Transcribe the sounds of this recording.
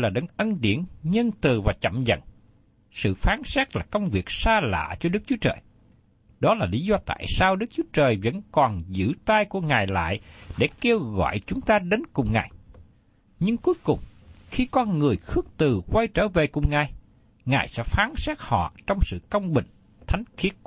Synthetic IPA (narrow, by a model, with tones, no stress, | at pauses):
laː˨˩ɗə̰˧˨˩ŋʔə˧nɗḭ˧˩ənɲə˧nt̪ɨ˨˩vaː˨˩t͡ɕə̰˧˨mzə̰˧˨n | sɨ̰˧˨faː˨˦nsɛ˦˥k̚laː˨˩kə˧wŋ͡mvi˨˩ək̚saː˧la̰ː˧˨t͡ɕɔ˧ɗɨ˦˥k̚t͡ɕu˨˦ət͡ɕəː˨˩j | ɗɔ˨˦laː˨˩li˨˦zɔ˧t̪a̰ː˧˨jsaː˧wɗɨ˦˥k̚t͡ɕu˨˦ət͡ɕəː˨˩jvə̰˧˥nkɔ˨˩nzɨ̰˧˥t̪aː˧jku˧˩əŋaː˨˩jla̰ː˧˨jɗe˧˩ke˧əwɣɔ̰˧˨jt͡ɕʊ˨˦ŋ͡mt̪aː˧ɗe˨˦nkʊ˨˩ŋ͡mŋaː˨˩j | ɲɨ˧ŋku˨˦jkʊ˨˩ŋ͡mxi˧kɔ˧nŋɨ˨˩əjxɨ˦˥ək̚t̪ɨ˨˩kwa˧jt͡ɕəː˧˩ve˨˩kʊ˨˩ŋ͡mŋaː˨˩j | ŋaː˨˩jsɛ̰˧˥faː˨˦nsɛː˦˥k̚hɔ̰˧˨t͡ɕɔ˧wŋ͡msɨ̰˧˨kə˧wŋ͡mɓï˧˨˩ŋ̟ | t̪ʰa˨˦jŋ̟xi˦˥ət̚